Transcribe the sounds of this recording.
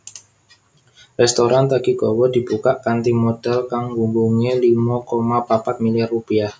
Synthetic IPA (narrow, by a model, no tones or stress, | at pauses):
rɛst̪oɾant̪aɡiɡɔwɔd̥ibukaʔkant̪imod̥alkaŋwuŋɡuŋelimakomapapat̪̚miliarːupiah